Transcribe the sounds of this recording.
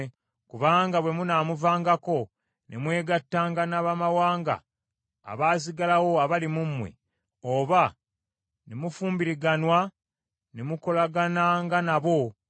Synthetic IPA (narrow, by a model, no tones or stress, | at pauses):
kuβaːŋɡaβwe̞munaːmuvaːŋɡako̞ | nʔemwe̞ːɡatːaːŋɡanaβamawaːŋɡa̰ː | βaːs̬iɡalawo̞aβalimumwe̞̰ | oːβa | nemufuːmbiɾiɡanwa | nemuko̞laɡanaŋɡanaβo̞